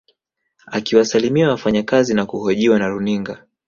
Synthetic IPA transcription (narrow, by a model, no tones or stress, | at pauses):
akiwasalimiawafaɲakazinakuɦɔʄiwanaɾuniŋɡa